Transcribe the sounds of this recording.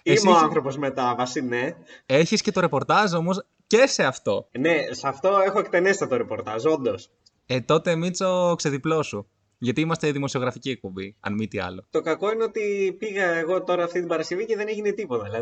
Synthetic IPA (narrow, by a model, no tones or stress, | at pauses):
imeoaanθɾo̞po̞zmet̪ɐvɐsineeçisce̞t̪oɾe̞po̞ɾt̪ɐzo̞mo̞s | ce̞se̞ɐft̪o̞ne̞sɐft̪o̞e̞xoe̞kt̪e̞nest̪ɐt̪oɾepo̞ɾt̪ɐzo̞nd̪o̞s | et̪o̞t̪eːmit͡sokseðiplo̞su | ʝɐt̪iimɐst̪eðimo̞sio̞ɣɾɐficie̞k̚po̞mbiɐ̰nmit̪iɐ̰lo̞t̪o̞kɐko̞ineo̞t̪ipiɣɐeɣo̞t̪o̞ɾɐːft̪it̪ibɐɾɐsce̞viceðe̞neʝinet̪ipo̞t̪ɐilɐ